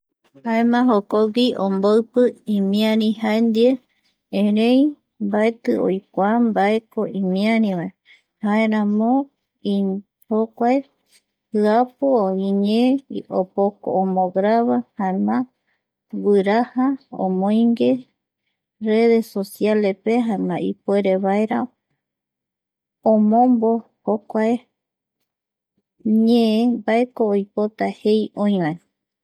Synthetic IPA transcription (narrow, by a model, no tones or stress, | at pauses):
haemãɦokoɡiʔomboɨpɨimĩãɾĩhaend̪ie | ẽɾẽj | mbaet̪ɨo̰jkʷambaekoʔĩmĩãɾĩβae | haeɾãmõ | i | hokʷae | hɨapooiɲẽopoko̰omõɡɾaβahanã | wɨɾahaõ̰mõj̃ŋɡe | reðesosjalepeɦanãipoeɾeβaeɾa | õmõmbo | hokʷae | ɲẽẽbaekoːjpot̪ahejõj̃wãe